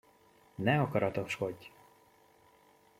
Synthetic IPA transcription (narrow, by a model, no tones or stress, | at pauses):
nɛɒkɒɾɒt̪o̞ʃhoɟ